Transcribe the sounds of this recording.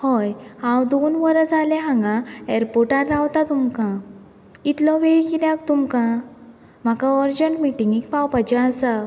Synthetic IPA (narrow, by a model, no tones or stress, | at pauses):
hɔjhãwd̪onʋəɾət͡salɛɦãŋɡãeɾpoʈaɾːawt̪at̪umkã | it̪lɔʋeikid̪jãkt̪umkã | m̤akãɔɾd͡ʑəɳʈmiʈĩŋɡikpawpad͡ʑɛasa